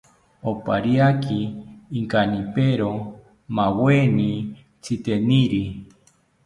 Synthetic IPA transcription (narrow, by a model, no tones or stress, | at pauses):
opa̰ɾjakʰiːŋkanipeɾo | maweni | t͡sʰit̪eniɾi